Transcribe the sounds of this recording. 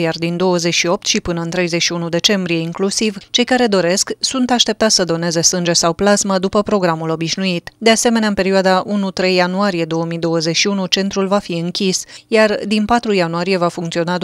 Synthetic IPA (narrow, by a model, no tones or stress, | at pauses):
jard̪ind̪o̞wəzet͡ʃʃio̞p̚t̪ʃipɨnəɨnt̪ɾe̞jze̞ʃiunud̪e̞t͡ʃe̞mbɾije̞iŋklusivt͡ʃe̞jkaɾe̞d̪o̞ɾe̞sksunt̪aʃt̪e̞p̚t̪at̪sʲəd̪o̞ne̞ze̞sɨnd͡ʒe̞sawplazməd̪upəpɾo̞ɡɾamulo̞biʃnuit̪d̪e̞ase̞me̞neaɨnpe̞ɾiuad̪aʔunut̪ɾe̞jːanuaɾije̞d̪o̞wəmid̪o̞wəze̞ʃiunut͡ʃe̞nt̪ɾulvafiɨŋkʲisjard̪inpat̪ɾujanuaɾije̞vafuŋkt̪sio̞nad̪